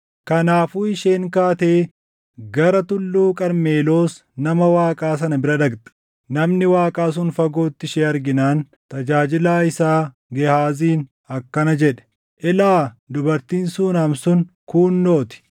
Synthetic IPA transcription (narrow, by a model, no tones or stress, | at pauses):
kɐnaːfuːɪʃeːŋkaːt̪eː | ɡɐɾɐt̪ʊlːuːkʼɐɾme̞ːlo̞ːs | nɐmɐwaːkʼaːs̬ɐnɐbɪɾɐd̪ɐɡd̪ɐ̥ | nɐmnɪwaːkʼaːs̬ʊnfɐɡo̞ːt̪ːɪʃeːɐɾɡɪnaːn | t̪ɐd͡ʒaːd͡ʒɪlaːɪsaː | ɡɛhaːziːn | ɐkːɐnɐd͡ʒɛᶑɛ̥ | ʔɛlaːd̪ʊbɐɾt̪iːnsuːnɐmsʊn | kuːnːo̞ːt̪ɪ̥